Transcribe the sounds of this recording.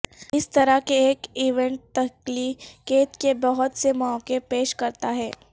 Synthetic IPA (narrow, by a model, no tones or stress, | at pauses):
ɪst̪ɐɾakeeːkiːʋɛ̃ɳʈ̚t̪ɐklikeːt̪kebɐɦʊt̪semɔːkefpeːʃkɐɾt̪aɦɛː